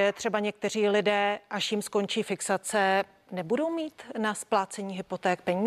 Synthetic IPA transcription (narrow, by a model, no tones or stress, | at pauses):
ɛt̪r̝̥ɛbaɲɛk̚t̪ɛr̝iːlɪdɛːʔaʃjɪmsko̞nt͡ʃiːfɪksat͡sɛ | nɛbudo̞wmiːt̪nasplaːt͡sɛɲiːɦɪpo̞t̪ɛːk̚pɛɲiː